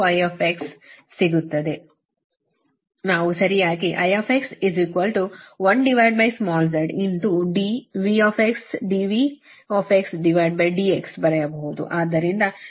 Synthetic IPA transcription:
ɐjaːfʰeksː | iɡut̪ːɐd̪e | naːʋusɐɾijaːkiʔɐjaːfʰeksiziːkʋɐlʈuʋɐnɖiʋɐjɖ̚bɐjsmɔːlzɐɾɖint̪uɖiʋiːaːfʰeksɖiːʋi | ɔːfeksɖiʋɐjɖ̚bɐjɖiːeksbɐɾɐjɐbɐɦud̪ṵʔaːd̪ɐɾind̪ɐ

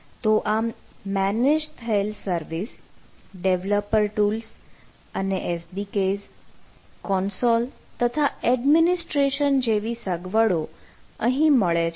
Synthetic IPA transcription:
t̪oʔamːæned͡ʒt̪ʰəelsəɾʋisɖeʋləpəɾʈuls | əneʔesbikez | kɔnsolt̪ət̪ʰaɛɖminisʈɾeʃənd͡ʒeʋisəɡʋəɽoəɦĩməɭe

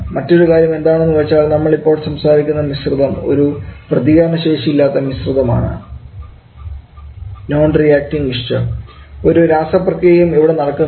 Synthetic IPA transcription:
mɐtːo̞ɾukaːɾjɐme̞nd̪aːɳenːuʋɐt͡ɕːaːlnɐmːɐɭipːo̞ːɭsɐmsaːɾikʲːunːɐnisruðɐmo̞̰ɾuprɐðiɣɐɾɐɳɐɕe̞ːʂiilːaːt̪ːɐnisruðɐma̰ːɳɨ̰ | no̞ːnrijaːk̚ʈiŋɡiʂʂɨ | o̞ɾuɾaːsɐprɐkːɐjɐjumiʋiɽe̞nɐɽɐkːu

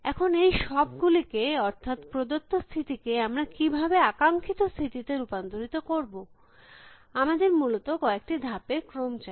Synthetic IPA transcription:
ɛkʰonejʃɔbɡulikeɔɾt̪ʰat̪pɾod̪ot̪ːost̪ʰit̪ikeamɾakibʱabeakaŋkʰit̪ost̪ʰit̪it̪eɾupand̪oɾit̪okoɾbo | amad̪eɾmulot̪okɔek̚ʈid̪ʱapekɾomt͡ɕa

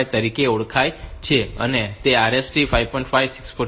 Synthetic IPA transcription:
jt̪əɾikeuɽkʰajt͡ʃʰeə̰net̪eaɾesʈifajʋpɔjɳʈfajʋsi̥ksfu

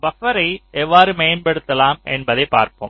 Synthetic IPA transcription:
bɐfɐɾɐɪɛʋːaːɾɯmejɐnbɐɽɯt̪ːɐlaːmɛ̰nbɐðɐɪpːa̰ːɾpo̰ːm

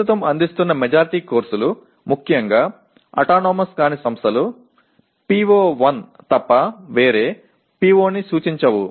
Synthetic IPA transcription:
ut̪ɐmɐnd̪ist̪unːɐmɛd͡ʒaːɾiʈiːkoːɾsulu | mukʰjɐŋɡaː | ɐ̰ʈaːnɔːmɐskaːnisɐmst̪ʰɐlu | piːʋoːʋɐnt̪ɐpːɐʋeːɾeː | piːʋoːnisuːt͡ʃiɲt͡ʃɐʋu

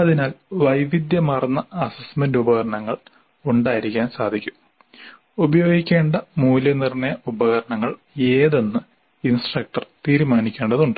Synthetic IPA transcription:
ɐðinaːlʋɐjʋid̪jɐmɐrɐnːɐɐsɐsmɐndubɐɣɐɾɐɳɐŋːɐɭ | uɳɖaːjiɾikʲːaːnsaːd̪ʱikʲːu̥m | ubɐjo̞ːɡikʲːe̞ːɳɖɐmuːljɐnirɳɐjɐubɐɣɐɾɐɳɐŋːɐɭ | e̞ːðe̞nːɨ | insʈrɐk̚ʈɐrt̪iːɾumaːnikʲːeːɳɖɐðuɳɖɨ

